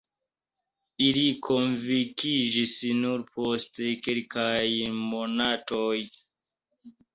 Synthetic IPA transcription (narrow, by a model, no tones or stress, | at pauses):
ilikʰonvikid͡ʒisnuɾpostekelkajmonatoj